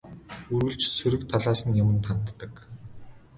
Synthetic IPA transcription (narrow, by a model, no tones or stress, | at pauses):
urɣɵ̆ɮt͡ɕsɵɾɘ̆k̚t̪ʰaɮaːsə̆njʊmɘ̆nt̪ʰan̥t̪ːə̆k